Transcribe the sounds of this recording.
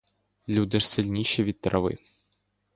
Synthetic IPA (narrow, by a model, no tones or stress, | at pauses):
lʲud̪ɪʃsɪlʲnʲiʃɛʋʲid̪̚t̪ɾʔɐʋɪ̰